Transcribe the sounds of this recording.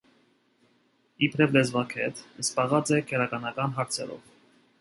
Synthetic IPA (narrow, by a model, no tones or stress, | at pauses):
ipʰɾɛvlɛzvɑkʰɛ̰t̪əspɑʁɑt͡sɛkʰɛɾɑkɑnɑkɑnɦɑɾt͡sʰɛɾɔ̰v